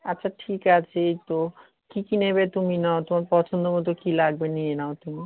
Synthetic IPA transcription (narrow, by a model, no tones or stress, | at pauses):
atːʃʰaʈʰikat͡ɕʰet̪o | kikineβet̪uminaot̪omaɾpɔt͡ʃʰond̪omod̪ʱokilaɡ̚benienaot̪umi